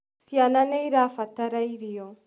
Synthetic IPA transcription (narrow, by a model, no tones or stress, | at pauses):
siananeiɾafataɾaiɾijo